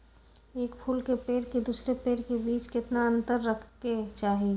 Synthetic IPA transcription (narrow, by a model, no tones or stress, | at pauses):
eːkpʰuːlkepeːɾked̪uːsɾepeːɾkebiːt͡ʃkɪt̪naə̃nt̪əɾːəkʰket͡ʃaːɦi